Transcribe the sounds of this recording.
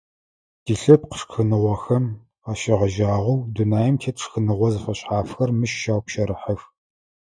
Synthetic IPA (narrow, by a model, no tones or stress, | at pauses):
d̥iɬɐp̚qə̥ʂxɨnɨʁʷɐxɐm | aːʃɪʁɐʒaːʁʷɐwdunaːjɐmtʰeːtʂxɨnɨʁʷɔzɨfɐɕħaːfxɐrmɨʃʃaːwpʃɐɾɨħəf